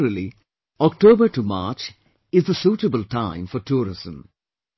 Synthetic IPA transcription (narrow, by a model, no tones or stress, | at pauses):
ɾəli | ɔk̚ʈoːbəɾʈuma̰ːt͡ʃ | ɪzd̪əsuːʈəbəlʈãɪ̃mfɔɾʈuːɾɪz̥ə̃m